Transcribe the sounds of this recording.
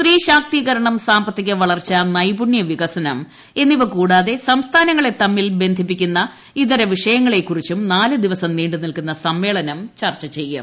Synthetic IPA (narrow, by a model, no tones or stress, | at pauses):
sriːɕaːk̚t̪iːɣɐɾɐɳɐmsaːmbɐt̪ːiɣʲːɐʋɐɭɐrt͡ɕːɐnɐjbuɳjɐʋiɣɐsɐnɐm | e̞nːiʋɐkuːɽaːðe̞sɐmst̪ʰaːnɐŋːɐɭe̞t̪ɐmːilbe̞nd̪ʱip̬ːikʲːunːɐ | iðɐɾɐʋiʂɐjɐŋːɐɭe̞kːurit͡ɕːumnaːlɨd̪iʋɐsɐmniːɳɖɨnilkunːɐsɐmːe̞ːɭɐnɐmt͡ɕɐrt͡ɕːɐt͡ɕe̞jːṵm